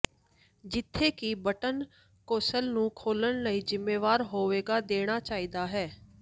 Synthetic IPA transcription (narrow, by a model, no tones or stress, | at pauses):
d͡ʒɪt̪ʰːeːkɪbəʈən | koːsəlnũːkʰoːləɳləiːzɪmːeːʋaːɾɦoːʋeːɡaːd̪eːɽ̃aːt͡ʃaːiːd̪aːɦɛː